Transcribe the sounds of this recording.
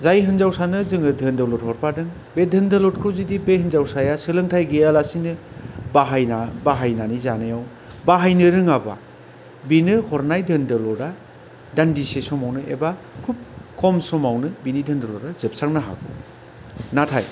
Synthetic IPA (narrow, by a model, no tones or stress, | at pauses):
zajɦɯnzawsanɯzɯŋɯdʱɯndalɔt̚hɔɾpadɯŋ | bedʱɯndɯlɔt̚kʰɯwzidipehɯnzawsajasɯlɯŋtʰajɡejalasinɯbaɦajnabaɦajnanizanajaw | baɦajnɯɾɯŋaba̰ | binɯhʰɔɾnajdʱɯndɯlɔɾa | dandisesɔmawnɯḛbakʰup̚kʰɔmsɔmawnɯbinidʱɯndɯlɔɾazɯp̚sak̚naɦa̰ɡṵ | natʰa̰j